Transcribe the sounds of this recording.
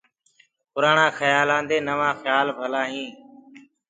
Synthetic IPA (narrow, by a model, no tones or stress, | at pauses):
pʊɾaːɳãːxəjaːlãːnd̪eːnəʋãːxjaːlbʱəlãːɦĩː